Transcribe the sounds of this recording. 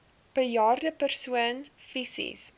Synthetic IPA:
b̥əljɑːrdəpərsuənfisḭs

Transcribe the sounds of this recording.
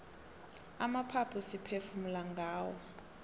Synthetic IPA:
amapʰapʰusipʰefumulaŋɡʱaːwɔ̰

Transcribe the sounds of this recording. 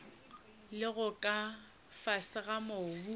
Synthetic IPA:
lɪɣʊkʼa | fasɪɣamobu

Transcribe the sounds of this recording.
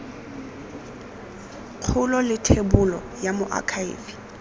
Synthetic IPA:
q͡χʰʊlɔlɪtʰebʊlɔjamʊʔa̰kʰaḭːvi

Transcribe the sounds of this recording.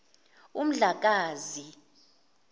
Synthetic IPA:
um̩ɮak̬aːzi

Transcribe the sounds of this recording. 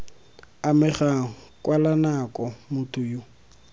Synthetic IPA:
amɪɣakʼwalanakɔmʊtʰʼʊjʊ

